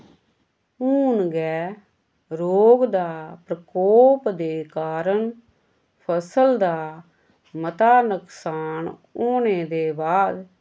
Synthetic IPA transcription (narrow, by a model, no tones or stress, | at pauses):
uːnɡɛː | ɾoːɡd̪aːpɾəkɔːpd̪eːkaːɾən | pʰəsəld̪aː | mət̪aːnəksaːn | oːneːd̪eːbaːd̪